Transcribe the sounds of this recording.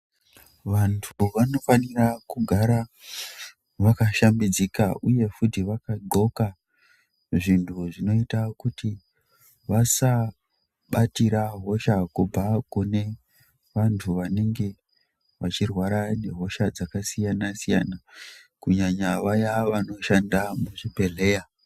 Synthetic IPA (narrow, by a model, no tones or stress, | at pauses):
ʋantʰuʋano̞fanirakuɡʱaɾa | ʋakaʃambid͡zikaʔuje̞futiʋakaɡo̞ka | ʐintʰuʐino̞itakuti | ʋasa | ɓatiɾaɦo̞ʃakub͡vʱakune̞ | ʋantʰuʋane̞ŋɡe̞ | ʋat͡ʃirwaɾane̞ɦo̞ʃad͡zakasijanasija̰nakuɲaɲaʋajaʋano̞ʃandamuʐibʱe̞ɮe̞ja